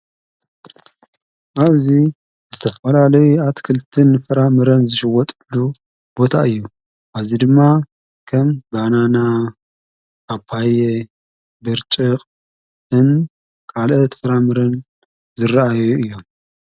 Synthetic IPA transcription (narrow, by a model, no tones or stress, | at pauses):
ʔaβzi | zɨt̪ʰɐfɐlalɐjuat̪kʰɨlt̪ʰɨnfɨɾamɨɾɐnzɨʃɨwɔt̪ʼɨlːu | b̥o̞t̪ʰaʔɨjːu | ʔaβzid̪ɨmːa | kʰɐmbanana | aβpʰaje | bɨɾt͡ʃʼɨqʼ | ʔɨn | kʰalʔɐt̪fɨɾamɨɾɐn | zɨɾaajuɨjːo̞m